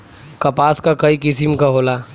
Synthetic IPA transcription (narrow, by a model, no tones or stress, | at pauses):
kɐpaːskakɐikɪsɪmkaɦoːlaː